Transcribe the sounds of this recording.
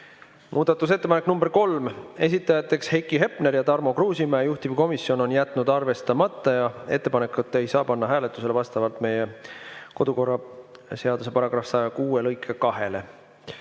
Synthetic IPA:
mʔuːd̪̥ɑt̪ːˑus̬e̞t̪ːepɑnekːˑnumb̥e̞ɾko̞lme̞s̬it̪ːˑɑjɑt̪ːˑe̞kshejkːˑiɦe̞pne̞ɾjɑt̪ɑrmo̞kruːsimæːjuht̪iviko̞misjo̞no̞njæt̪ːˑnud̪ɑrve̞st̪ɑmɑt̪ːˑɑjɑe̞̰t̪ːˑe̞pɑne̞kːˑut̪ˑːe̞jsɑːpɑnːɑɦæːle̞t̪ːˑuse̞le̞vɑst̪ɑvɑlt̪ˑme̞jeko̞d̪̥uko̞rːɑse̞ɑd̪use̞pɑɾɑɡ̥rɑfsɑjɑkuːelɤjkʰˑːekɑɦe̞le̞

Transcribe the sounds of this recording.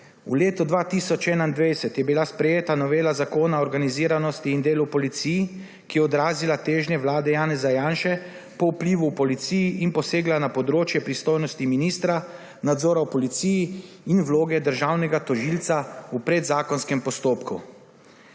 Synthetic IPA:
ṵleːt̪ɔd̪ʋaːt̪isɔt͡ʃɛːnaind̪ʋejsɛt̪jɛbilaspɾɛjeːt̪anɔʋeːlazakoːnaɔɾɡaniziːɾanɔst̪iːnd̪eːlupɔlit̪siji | kijɛɔd̪ɾaːzilat̪eːʒnjɛʋlaːd̪ɛjaːnɛzajaːnʃɛ | pɔupliːʋuwpɔlit̪sijiʔinpɔseːɡlanapɔd̪ɾoːt͡ʃjɛpɾist̪oːjnɔst̪iminiːst̪ɾa | nad̪zɔːɾapɔlit̪siji | inwloːɡɛd̪əɾʒawnɛɡat̪ɔʒilt̪saupɾɛd̪zaːkɔnskɛmpɔst̪oːpkṵ

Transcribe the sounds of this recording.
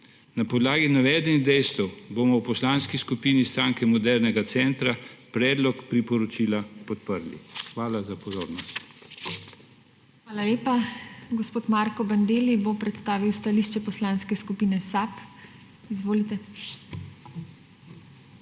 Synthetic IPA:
napɔd̪laːɡinaʋɛːd̪ɛniɣd̪ɛjst̪ɛwbomɔwpɔslaːnskiskupiːnist̪ɾaːŋkɛmɔd̪ɛɾnɛɡat̪sɛnt̪ɾapɾɛːd̪lɔkpɾipɔɾɔt͡ʃiːlapɔt̪pəɾlḭxʋaːlazapɔzo̰ːɾnɔst̪ | xʋaːlaleːpaɡospoːt̪maɾkɔband̪eːlibopɾɛt̪st̪aːʋiwst̪aliːʃt͡ʃɛpɔslaːnskɛskupiːnɛsap | izʋoːlit̪ɛ

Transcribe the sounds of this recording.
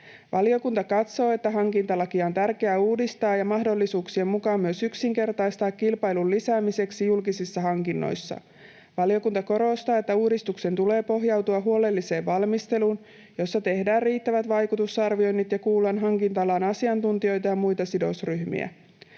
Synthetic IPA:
ʋʔɑlio̞kunt̪ɑkɑt̪so̞ːe̞t̪ːæɦɑŋkint̪ɑlɑkiont̪ærke̞æuːdist̪ɑːjɑmɑɦdo̞lːisuːksie̞mmukɑːmyøsyksiŋke̞rt̪ɑjst̪ɑːkkilpɑjlullisæːmise̞ksijulkisisːɑɦɑŋkinːo̞̰jsːɑ̰ | ʋɑlio̞kunt̪ɑko̞ɾo̞st̪ɑːe̞t̪ːæuːdist̪ukse̞nt̪ule̞ːpo̞ɦjɑwt̪uɑɦuo̞le̞lːise̞ːʋʋɑlmist̪e̞luːn | jo̞sːɑt̪e̞hdæːrriːt̪ːæʋæt̪ʋɑjkut̪usɑrʋio̞jnːit̪jɑkuːlːɑnɦɑŋkint̪ɑlɑːnɑsiɑnt̪unt̪io̞jt̪ɑjɑmujt̪ɑsido̞̰sryhmḭæ̰

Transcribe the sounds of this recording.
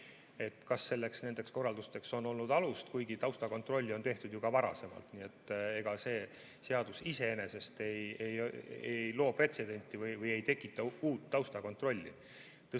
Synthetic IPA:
e̞t̪kɑsːe̞lːe̞ksne̞nd̪̥e̞ksko̞rːɑld̪ust̪e̞kso̞nːo̞lnud̪ɑlust̪kujɡ̥it̪ɑwst̪ɑko̞nt̪ro̞lʲːio̞nt̪e̞ht̪ud̪̥juɡ̥ɑvɑɾɑ̰se̞mɑ̰lt̪nie̞t̪ːe̞ɡ̥ɑse̞ː | se̞ɑd̪̥usise̞ene̞se̞st̪e̞jejejlo̞ːpre̞t̪se̞d̪e̞nʲt̪ʲːˑivɯjvɯje̞jt̪e̞kːˑit̪ːˑɑuːt̪ːɑwst̪ɑko̞nt̪ro̞lʲːḭ | t̪ɤ

